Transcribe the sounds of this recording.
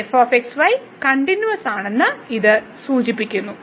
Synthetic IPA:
efoːfeksʋɐj | kɐɳɖinjuʋɐsaːɳe̞nːɨiðɨ | suːt͡ɕipːikʲːunːu

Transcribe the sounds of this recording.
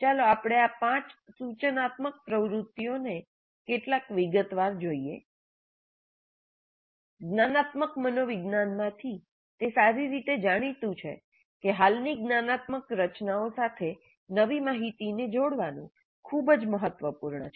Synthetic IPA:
t͡ʃaloapɽ̃eapãt͡ʃsut͡ʃənat̪mək̚pɾəʋɾut̪ːjone | keʈlakʋiɡət̪ʋaɾd͡ʒoiḛ | ɡnanat̪məkmənoʋɪɡnanmãt̪ʰi | t̪esaɾiɾit̪ed͡ʒaɽ̃it̪ũt͡ʃʰḛ | keɦalniɡnanat̪məkɾət͡ʃnaosat̪ʰe | nəʋimaɦit̪ined͡ʒoɽʋanṵ̃ | kʰubəd͡ʒməɦət̪ʋəpuɾɳə̰t͡ʃʰ

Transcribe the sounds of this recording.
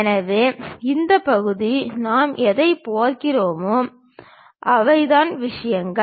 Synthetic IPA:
nɐʋeːɪnd̪ɐpɐɣɯðinaːmʔɛðɐɪpoːɾkɪroːmoː | ʔɐʋɐɪðaːnʋɪʂɐjɐŋɡɐ

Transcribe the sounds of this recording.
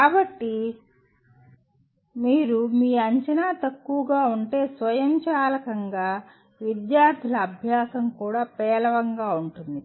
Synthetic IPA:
kaːbɐʈːi | miːɾumiːɐɲt͡ʃɐnaːt̪ɐkːuʋɐɡaːuɳʈe̞ːsʋɐjɐmt͡ʃaːlɐkɐŋɡaː | ʋid̪jaːɾt̪ʰilɐːbʱjaːsɐmkuːɽaːpɛːlɐʋɐŋɡaːuɳʈund̪i

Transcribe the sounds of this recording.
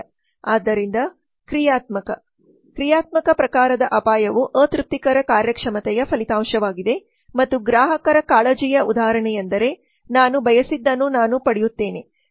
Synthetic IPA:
aːd̪ːɐɾind̪ɐ | kɾijaːt̪mɐkɐ̰ | kɾijaːt̪mɐkɐpɾɐkaːɾɐd̪ɐʔɐpaːjɐʋuʔəːt̪ɾup̚t̪ːikɐɾɐkaːɾjɐkʂɐmɐt̪ɛjɐpʰɐlit̪aːmʂɐʋaːɡid̪e̞ | mɐt̪ːuɡɾaːɦɐkɐɾɐkaːɭɐd͡ʒijɐud̪aːɐɾɐɳɛjɐnd̪ɐɾe̞ | naːnubʱɐjɐsid̪ːɐnːunaːnupɐɽɛjut̪ːe̞ːne̞

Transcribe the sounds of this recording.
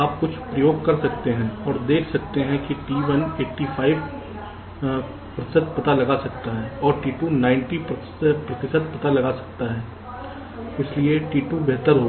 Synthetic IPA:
aːp̚kʊt͡ʃʰpɾɐjoːɡ̚kɐɾsɐkt̪eɦɛ̃ɔːɾd̪eːkʰsɐkt̪eɦɛ̃kiʈiːʋəneːʈːifʰaːɪʋ | pɾɐt̪ɪsəd̪̚pɐt̪alɐɡasɐkt̪aɦɛːɔːɾʈiːʈunãːɪ̃ɳʈip | pɾɐt̪ɪsəd̪̚pɐt̪alɐɡasɐ̥k̚t̪aɦɛː | ɪslieʈiːʈubɛɦt̪əɾɦo

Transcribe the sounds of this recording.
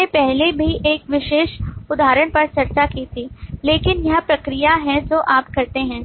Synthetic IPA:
epɛɦlebʱiʔeːkʋɪʃeːʃʊd̪ʱaːɾəɽ̃pɐɾt͡ʃɐɾt͡ʃakiːt̪ʰiːleːkɪnjɐɦpɾɐkɾijaɦɛ̃d͡ʒoːʔaːpkɐɾt̪eɦɛ̃ː

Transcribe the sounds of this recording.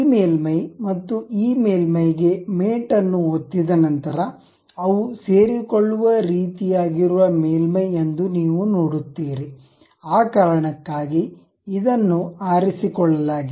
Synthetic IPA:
meːlmɐjmɐt̪ːuiːmeːlmɐjɡe̞meːʈɐnːuot̪ːid̪ɐnɐnt̪ɐɾɐ | ɐʋuseːɾikoɭːuʋɐɾiːt̪ijaːɡiɾuʋɐmeːlmɐje̞nd̪uniːʋunoːɽut̪ːiːɾe | aːkaːɾɐɳɐkːaːɡi | id̪ɐnːuaːɾisikɔɭːɐlaːɡi

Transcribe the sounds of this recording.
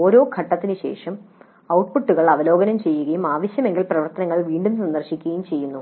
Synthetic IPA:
oːɾo̞ːkʰɐʈːɐt̪ːinɨɕe̞̰ːʂɐm | ɐwʈpʰuʈːuɣɐɭɐʋɐlo̞ːɡɐnɐmt͡ɕe̞jːuɣɐjumaːʋɐɕjɐme̞ŋɡilprɐʋɐrt̪ɐnɐŋːɐɭʋiːɳɖumsɐnd̪ɐrɕikʲːuɣɐjumt͡ɕe̞jːunːu

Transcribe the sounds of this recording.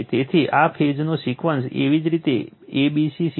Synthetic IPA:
t̪et̪ʰiʔafʰed͡ʒnosikʋənsḛʋid͡ʒɾit̪e | ebisisi

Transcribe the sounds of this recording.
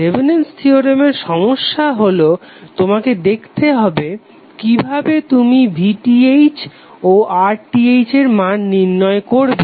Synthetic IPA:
ebinenstʰioɾemeɾʃɔmoʃːaɦolo | t̪omaked̪ekʰt̪eɦɔbe | kibʱabet̪umibʱiʈiejt͡ɕ | oʔaɾʈiejt͡ɕeɾmanːiɾnɔekoɾbe

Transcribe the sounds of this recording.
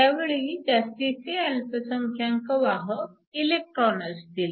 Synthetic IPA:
aʋeɭid͡ʑast̪et͡sealpəsəŋkʰjaŋkəʋaɦə | ilek̚ʈɾɔnəst̪iːl

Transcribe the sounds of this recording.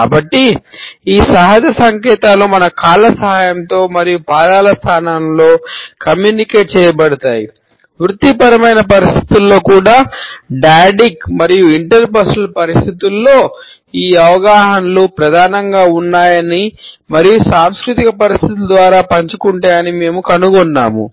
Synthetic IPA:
ka̰ːbɐʈːiiːsɐɦad͡ʒɐsɐŋkɛːt̪aːlumɐnɐkaːlɐsɐɦaːjɐmt̪o̞ːmɐɾijupaːd̪aːlɐst̪ʰaːnaːnɐmlo̞ːkɐmjuːnikeːʈ̚t͡ʃɛːjɐbɐɽɐt̪aːjḭ | ʋɾut̪ːipɐɾɐmɐjnɐpɐɾist̪ʰi̥t̪ulːo̞ːkuːɽaːɖaːɖikmɐɾijuiɳʈɐɾpɐsɐlpɐɾist̪ʰit̪ulːo̞ː | iːɐʋɐɡaːɦɐnlupɾɐd̪ʱaːnɐŋɡaːunːaːjɐnimɐɾijusaːmskɾut̪ikɐpɐɾist̪ʰit̪̬ulɐd̪ʋaːɾaːpɐɲt͡ʃukuɳʈaːjɐnime̞ːmukɐnuɡɔnːa̰ːmṵ

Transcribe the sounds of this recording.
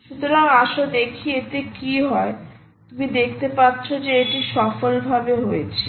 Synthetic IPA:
ʃut̪oɾaŋaʃod̪ekʰiet̪ekiɦɔe | t̪umid̪ekʰt̪epaːɕʰod͡ʑeeʈiʃɔfolbʱabeɦojet͡ɕʰe

